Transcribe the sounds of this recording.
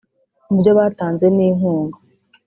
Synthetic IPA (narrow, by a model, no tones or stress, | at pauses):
bjo̞βaːtaːnze̞niːŋ̥huːŋɡa